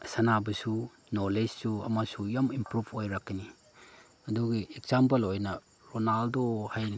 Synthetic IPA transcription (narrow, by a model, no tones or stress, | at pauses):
sanabɐsu | noled͡ʒsuɐ̰masujamimpɾupʰojɾakːini | ɐduɡiek̚sampelojna | ɾonaldohaj